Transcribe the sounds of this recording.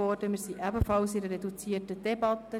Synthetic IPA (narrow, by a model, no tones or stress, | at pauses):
ɔːrd̥əmɪɾsiʔæbəfɑlsidəɾɛdut͡siːərtəd̥ɛbɑt̪ə